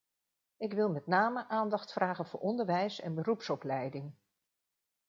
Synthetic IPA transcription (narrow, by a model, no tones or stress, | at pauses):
ɪkʋɪlˠmɛtnaːməʔaːndɑχtfrʔaːχənvʊ̰ːʔɔndəɹʋɛjsɛ̰nbərupsɔplɛjdɪŋ